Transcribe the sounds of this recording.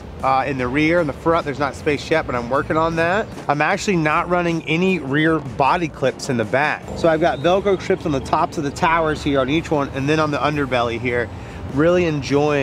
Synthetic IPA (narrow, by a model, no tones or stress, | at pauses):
ɪ̃nðɨɹɪɹɨ̃nðəfɹʌ̃nt̪̚ðə˞znətspeɪsʃɛpbʌ̃ɾãɪ̃mwɜ˞kɪ̃ŋə̃nðæt̚ | ãɪ̃mæk̚t͡ʃʉl̩ˠinəʔ̚ɹʌnɪ̃ŋɛniɹɪɹbɑɾikʰl̥ɪpsɨ̃nðɨbæksoʊaɪvɡɑtvɛlˠɡoʊtʰɹ̥ɪpsn̩ðətʰɑpsʌvðɨtʰaʊə˞z̥hiɹə̃nit͡ʃwʌ̃nɨ̰̃nðɨ̃ɾ̃nə̃nðiʌ̃ndə˞bɛlˠiɦiɹ | ɹɪlˠiɨ̃nd͡ʒɔɪɪ̃